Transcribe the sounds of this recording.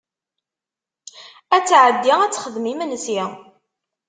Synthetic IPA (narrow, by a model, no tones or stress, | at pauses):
æt͡sːʕəd̪ːiæt͡sːχəðmimənsi